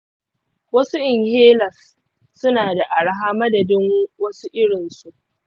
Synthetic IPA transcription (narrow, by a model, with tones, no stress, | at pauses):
wɐ˦su˦ʔɪ˨ŋheː˦lɐ˨sː | ʊ˦naː˨da˨ʔa˨ɽa˦ɦaː˦mɐ˦dɐ˨dɪ˦ŋwɐ˦su˦ʔɪ˦ɽɪ˨nsu˨ʔ